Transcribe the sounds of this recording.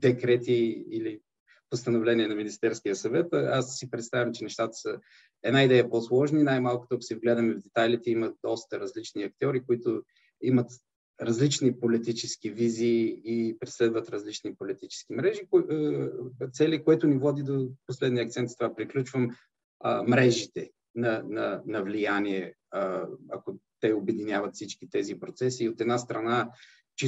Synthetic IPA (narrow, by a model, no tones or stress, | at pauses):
d̪ɛkɾɛt̪iili | post̪ənovlɛniɛnɐminist̪ɛɾskijəsɐvɛt̪asːipɾɛt̪st̪avʲjɐmt͡ʃɛnɛʃt̪at̪ə̥sə | ɛd̪naid̪ɛjəposlˠɔʒninajmalˠkʊ̥t̪osivɡlɛd̪əmɛvd̪ɛt̪ajlit̪ɛiməd̪ɔst̪əɾɐzlit͡ʃniɐk̚t̪ʲiɔɾikoit̪ʊ | imət̪ | ɾɐzlit͡ʃnipolit̪it͡ʃɛskiviziːpɾɛslɛd̪vɐt̪ɾɐzlit͡ʃnipolit̪it͡ʃɛ̥skimɾɛʒik | t̪sɛlikoɛt̪ʊnivɔd̪id̪oposlɛd̪niəɐkt̪sɛnt̪st̪ovapɾiklʲut͡ʃvəm | mɾɛʒit̪ɛ | nɐnɐnɐvlijaniɛ | ɐkot̪ɛobɛd̪inʲjavət̪fsit͡ʃkit̪ɛzipɾot̪sɛsiːot̪ɛd̪nast̪ɾɐna | t͡ʃi